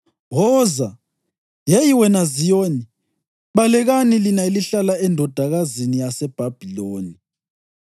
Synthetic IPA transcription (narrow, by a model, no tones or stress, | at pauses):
ɦɔːza | jɛjiwɛnazijoːni | ɓalɛɣanilinaeliɬalaɛndʱɔd̥ʱaɣazinijasɛb̥ʱab̥ʱiloːni